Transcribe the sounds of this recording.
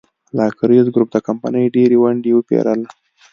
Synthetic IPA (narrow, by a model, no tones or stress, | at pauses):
lɑkɾizɡɾup̚d̪əkampa̰nəjɖeɾewaɳɖewəpḛɾala